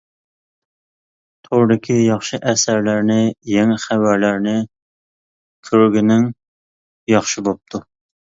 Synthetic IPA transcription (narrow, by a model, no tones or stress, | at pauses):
t̪ʰoɾd̪ɪkʲʰijɑχʃɪʔæsæɾlæɾnɪjɛŋɛχævæɾlæɾnɪ | kʲʰøɾɡʲɪnɪŋ | jɑχʃɪbop̚t̪ʰu